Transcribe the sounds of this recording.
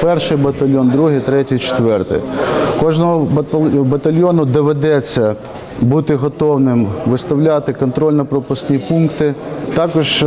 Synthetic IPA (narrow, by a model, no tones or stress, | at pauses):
pɛrʃɪjbɐt̪ɐlʲjɔnd̪ɾuɦɪjt̪ɾɛtʲijt͡ʃɪ̥t̪ʋɛrt̪ɪ̰jkɔʒnɔɦɔbɐbɐt̪ɐlʲjonʊd̪ɔʋed̪ɛt͡sʲːɐ | but̪ɪɦɔt̪ɔwnɪmʋɪst̪ɐwlʲat̪ɪkɔnt̪ɾɔlʲnɔpɾɔpʊsʲnʲipunkt̪ɪt̪ɑkɔʒ